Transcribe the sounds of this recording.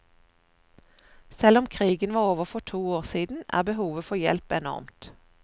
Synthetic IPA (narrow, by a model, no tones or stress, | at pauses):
sɛlɔmkʰʁiːɡənʋɑːʁoːʋəʁfɔʈ̪ʰuːoːʁsiːd̪n̩æ̰ːʁbəhuːʋəfɔjɛ̰lpɛnɔ̰ʁmt̪